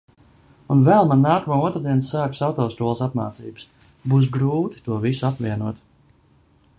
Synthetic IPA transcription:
unvɛlˠmanːaːkəmaːuɔt̪ɾad̪iɛnsaːku̥sawt̪ɔːst̪uɔlˠsat̪maːt̪sḭːbɨs | buːs̬ɡɾuːt̪i̥t̪uɔvisuapviɛnuɔt̪

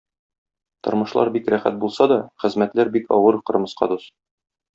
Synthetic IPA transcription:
t̪ŏ̰ɾmɤ̆ʃlˠɑ̰ɾbikɾæχæ̰t̪̚bulˠsɑd̪ɒχɘ̆zmæt̪læɾbikɒ̰wɤɾqɤ̆ɾmɤ̆sqɑ̰d̪us

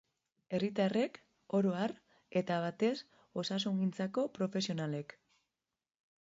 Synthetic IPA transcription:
e̞rit̪are̞k | o̞ɾoar | e̞t̪aβ̞at̪e̞s | o̞sas̬uŋɡint͡sako̞pɾo̞fe̞sio̞nale̞k

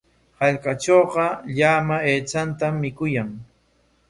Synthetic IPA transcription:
haʎkaʈ͡ʂoːɢɑʎaːmaeːt͡sant̪amːɪkʊjaŋ

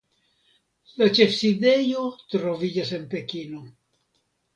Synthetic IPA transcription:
lat͡ʃefsid̪ejot̪ɾovid͡ʒasenpe̞kino

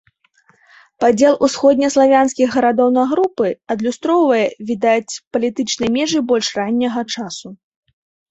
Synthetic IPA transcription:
pad͡zʲɛlˠʔusxɔd̪̚ʲnʲɐslˠavʲanskʲiɣɣɐɾad̪ɔwnɐɣɾupɨɐd̪lʲust̪ɾɔwvɐjɛvʲid̪at͡sʲpɐlʲit̪ɨt͡ʂnɐjmʲɛʐɨbɔlʲʂranʲːɐɣɐt͡ʂasu

